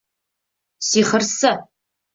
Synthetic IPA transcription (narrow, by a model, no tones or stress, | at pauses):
siːχərsɐ